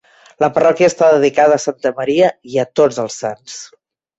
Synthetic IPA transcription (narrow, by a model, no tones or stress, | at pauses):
ləpərɔkiəst̪aðəðikaðəːsant̪əməɾiəiət̪od͡zəlˠsːans